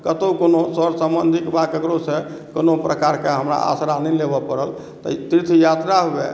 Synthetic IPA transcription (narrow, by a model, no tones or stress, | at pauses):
kət̪əkonosəɾsəmbənd̪ʱikbakəɡɾose | konopɾəkaɾkeɦəmɾa̰a̰sɾanɛlebɔpəɾəl | t̪ə̰t̪ɾit̪ʰjat̪ɾaɦobḛ